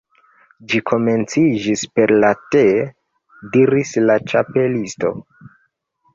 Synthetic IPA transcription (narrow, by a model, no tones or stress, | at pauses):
d͡ʒikʰo̞me̞nt͡sid͡ʒispe̞ɾlate | diɾislat͡ʃape̞listo̞̰